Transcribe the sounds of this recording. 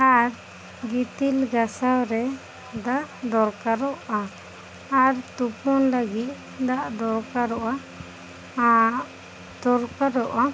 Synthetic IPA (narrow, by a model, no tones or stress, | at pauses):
aɾ | ɡit̪ilɡasawɾɛ | d̪aʔd̪ɔɾkaɾɔʔaː | ɾt̪upɔnləɡit̪̚ | d̪aʔd̪ɔɾkaɾɔʔa | d̪̥ɔɾkaɾɔʔa